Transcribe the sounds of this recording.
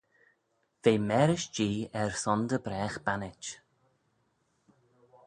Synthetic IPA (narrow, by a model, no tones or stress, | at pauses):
v̥eːmɛːɾɪʃd͡ʒiːɛɹsɔnd̪əbɾɛːxb̥anɪt͡ʃ